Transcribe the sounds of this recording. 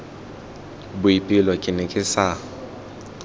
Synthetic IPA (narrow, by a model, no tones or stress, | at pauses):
bʊipʼɪlɔkʼɪnɛkʼɪsa